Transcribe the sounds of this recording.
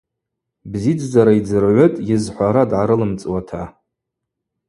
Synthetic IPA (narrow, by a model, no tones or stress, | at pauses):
bzid͡zzaɾaid͡zɨrʕʷʊtʼjɪzħʷaɾadʕaɾɨlɨmt͡sʼwatʰa